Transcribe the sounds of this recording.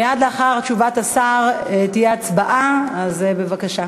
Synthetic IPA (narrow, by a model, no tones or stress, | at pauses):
jad̪leaχaʁt͡ʃuvat̪asaʁet̪ijeat͡sbaʔaazebe̞vakaʃa